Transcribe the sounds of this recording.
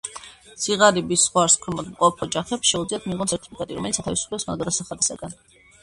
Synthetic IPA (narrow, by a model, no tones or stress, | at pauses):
sʰiʁaɾibisːχwaɾskʰwɛmɔd̪mqʼɔpʰɔd͡ʒaχɛpsʃɛud̪zliat̪ʰmiʁɔnsɛɾt̪ʰi̥pikʼɛt̪ʼiɾɔ̰mɛlit̪sat̪ʰavisu̥pʰlɛsmand̪ɔd̪asaχad̪isaɡan